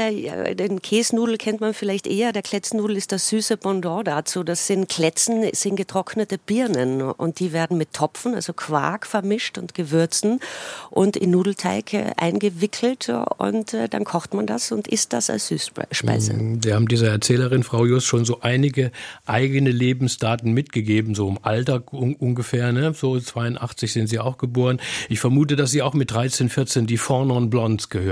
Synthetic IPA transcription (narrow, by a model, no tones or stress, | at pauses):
ja̰deːnkʰeːsnuːdl̩kʰɛntmanfɪlaɪçtʔeːɐdeːɐkʰl̥ɛt͡sn̩ːuːdl̩ɪst̚d̥asz̥yːsəbɔndɔːdat͡suːdasz̥ɪntkʰl̥ɛt͡sn̩sz̥ɪnɡətʁ̥ɔknətəb̥ɪɐnənʔʊ̰nt̚d̥iːveːɐdn̩mɪtʰːɔpfn̩a̰lzokʰv̥a̰ːkfɛɐmɪʃtʊntɡ̥əvʏɐt͡sn̩ʔʊntɪ̰nːuːdl̩tʰaɪkːʔa̰ɪnɡəvɪkʰl̩tʊ̰ntɛːd̥a̰nkʰɔχtmanda̰sʊntʔɪ̰st̚d̥a̰sa̰lsz̥yːsʃpa̰ɪzə̰viːɐhaːbm̩diːzɐɛɐt͡sɛːləʁɪnfʁ̥aʊjʊstʃoːnzoːʔaɪnɪɡəʔaɪɡənəleːbm̩sd̥aːtn̩mɪtɡ̥əɡeːbm̩zoːɪmʔaltaːkʊʔʊnɡəfɛːɐnəzoːt͡sv̥aɪʊntʔaχt͡sɪçz̥ɪntz̥iːaʊxɡ̥əboːʁənʔɪçfɛɐmuːtədas̬z̥iːaʊxmɪt̚d̥ʁaɪt͡seːnfɪɐt͡seːndiːfɔɐnɔnblɔnsɡ̥əhøː